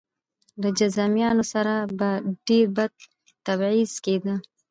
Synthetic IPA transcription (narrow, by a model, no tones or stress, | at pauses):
ləd͡ʒazamjɑnosaɾabaɖeɾbad̪̚ | t̪abʕiz̥ked̪ə